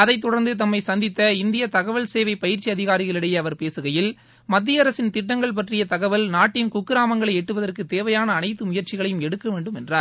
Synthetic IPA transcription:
ɐðɐɪt̪̬ːɔɽɐɾnd̪ɯt̪ɐmːɐɪsɐnd̪ɪt̪ːɐɪnd̪ɪjɐt̪ɐɣɐʋɐlseːʋɐɪpɐjɪɾt͡ʃːiɐðɪɣaːɾɪɣɐɭɪɽɐjɐɐʋɐɾpeːsɯɣɐjɪl | mɐd̪ːijɐɾɐsɪnt̪ɪʈːɐŋɡɐɭp̬ɐʈrɪjɐt̪ɐɣɐʋɐlnaːʈːɪmkukːɯɾaːmɐŋɡɐɭɐɪɛʈːɯʋɐðɐrkɯt̪eːʋɐjaːnɐːnɐɪt̪ːɯmʊjɐɾt͡ʃɪɣɐɭɐjɯmɛɽɯkːɐʋeːɳɖɯmɛndraːɾ

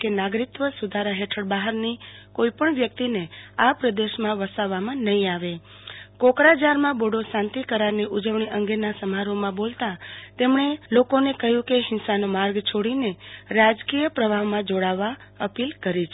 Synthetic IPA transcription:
kenaɡɾit̪ʋəsud̪ʱaɾaɦeʈʰəɽbaɦəɾnikoipəɳʋjək̚t̪ineapɾəd̪eʃmãʋəsaʋːamãnəɦĩaʋe | kokɾad͡ʒaɾmãboɽoʃãnt̪ikəɾaɾniʔud͡ʒəʋɳiʔə̃ŋɡenasəmaɾomãbolt̪at̪emɳelokonekəɦjũkeɦɪnsanomaɾɡt͡ʃʰoɽineɾad͡ʒkijəpɾəbʱaʋmãd͡ʒoɽaʋːaəpilkəɾit͡ʃʰe

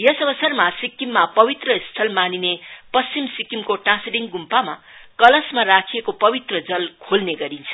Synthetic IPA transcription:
jʌsʌbʌsʌrmasikːimːapʌbit̪rʌist̪ʰʌlmaninepʌst͡simsikimkoʈãsiɖiŋɡumpama | kʌlʌsmarakʰijekopʌbit̪rʌd͡zʌlkʰolneɡʌɾint͡sʰʌ̥

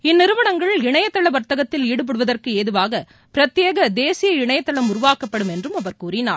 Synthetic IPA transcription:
ɪnːɪɾɯʋɐɳɐŋɡɐɭɪɳɐjɐt̪ːɐɭɐʋɐɾt̪ɐɣɐt̪ːɪliːɽɯp̬ɐɽɯʋɐðɐrkɯeːðɯʋaːɣɐ | pɪɾɐt̪ːjeːɣɐd̪eːsɪjɐɪɳɐjɐt̪ːɐɭɐmʊrʊʋaːkɐpːɐɽɯmɛndrɯmɐʋɐɾkuːrɪnaːɾ

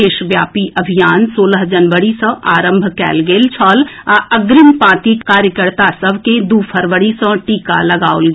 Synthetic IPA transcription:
eːʃʋjaːpiʔəbʱijaːnsoːləɦd͡ʒənʋəɽisə̃ʔaːɾə̃mbʱkɛ̰ːlɡeːlt͡ʃʰɔːlaəɡɾimpãːt̪ikkaːɾjəkəɾt̪asəbʱked̪uːpʰəɾʋəɽisə̃ʈiːka̰lɐɡaːolɡ

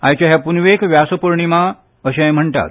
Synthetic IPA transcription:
ã̰jt͡ɕaɦjapunʋekʋjasəpəɾɳimã | əɕãjm̤əɳʈ̪a̰t̪

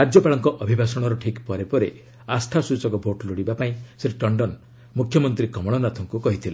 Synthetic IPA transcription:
ɾad͡ʒjɔpaɭɔŋkɔʔɔbʱibʱasɔɽ̃ɔɾɔʈʰikpɔɾepɔɾe | asʈʰasut͡ʃɔkɔbʱoʈloɽibapaĩseʈeʈɔɳɖɔn | mukʰjɔmɔnt̪ɾikɔmɔɭ̃ɔnat̪ʰɔŋkukɔɦit̪ʰila

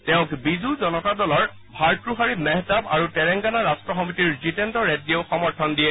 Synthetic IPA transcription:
tɛʊ̃kbizuzɔnɔtadɔlɔɹ | bʱaɹkɹuɦaɹimɛɦtaba̰ɹutɛɹɛŋɡanaɹastɹɔxɔmitiɹzitɛntɔɹɛdieʊxɔmɔɹtʰɔndijɛ

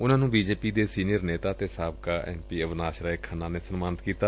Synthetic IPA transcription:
ʊnãːnũːbiːd͡ʒeːpiːd̪eːsiːniəɾneːt̪aːt̪eːsaːbkaːʔɛ̰̃ːmpiːəʋnaːʃɾaːekʰənːãːneːsənmaːnt̪kiːt̪aː

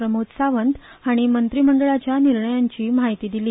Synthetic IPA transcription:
ɾəmot̪saʋənt̪aɽ̃imənt̪ɾiməɳɖəɭat͡ɕjaniɾɳəjaɲt͡ɕiːmaɦit̪iːd̪iliː

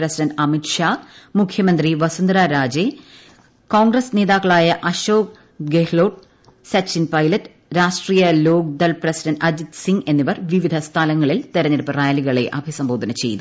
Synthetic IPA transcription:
rɐsidɐndɐmiʈʂaːmukʰjɐmɐnd̪riʋɐsɐnd̪ɾaːɾaːd͡ʑe | koːŋɡrɐsne̞ːðaːkːɐɭaːjɐʔɐɕoːk̚ | ɡehloːʈ̚ | sɐksinpɐjlɐtːɨ | ɾaːʂʈrijɐlo̞ːɡ̚d̪ɐlprɐsidɐndɐd͡ʑid̪siŋɡe̞nːiʋɐrʋiʋid̪ʱɐst̪ʰɐlɐŋːɐɭilt̪eɾɐɲːɐɾɐpːɐraːjɐliɣɐɭe̞̰ʔɐbʱisɐmboːd̪ʱɐnɐt͡ɕe̞̰jt̪u

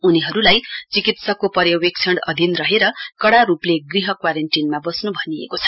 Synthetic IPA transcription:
uniɦʌɾulajt͡sikit̪sʌkopʌɾjʌwek̚t͡sʰʌɽʌd̪ʱinrʌɦeɾʌkʌɽaɾupleɡriɦʌkwaɾenʈinmabʌsnubʱʌniḛkot͡sʰʌ̥

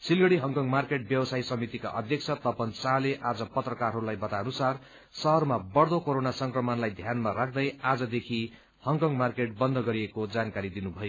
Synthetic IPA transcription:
silɡʌɽiɦʌŋkʌŋmarkeʈ̚bjʌwʌsajsʌmit̪ika̰ʔʌd̪ʱjʌk̚t͡sʰʌt̪ʌpʌnt͡saleʔad͡zʌpʌt̪rʌkarɦʌɾulajbʌt̪aʌnusar | sʌɦʌrmabʌɽd̪okoɾonasʌŋkrʌmʌnlajd̪ʱjanmaɾak̚ʰd̪ʌjad͡zʌd̪ekʰi | hʌŋkʌŋmarkeʈ̚bʌnd̪ʱʌɡʌɾiekod͡zankaɾid̪inubʱʌjo

